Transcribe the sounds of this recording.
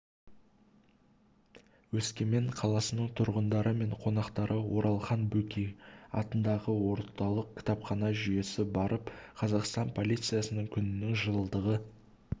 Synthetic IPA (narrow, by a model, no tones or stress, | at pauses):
wɵskʲe̞me̞ɴqʰɑlˠɑsənəɴt̪ʰʊɾʁənd̪ɑɾəme̞ɴqʰo̞nɑqt̪ɑɾʔəwo̞ɾʔɑlˠχɑnbɵkʲiɑ̰t̪ənd̪ɑʁəwo̞ɾt̪ɑlˠəq̚kʲʰɪ̥t̪ɑpχɑnɑʒʏje̞sɪbɑɾʔəpqʰɑzɑqst̪ɑnpʰo̞lʲit̪sɨjasənəŋkʲʰʏnɪnɪŋʒəlˠəlˠd̪əʁə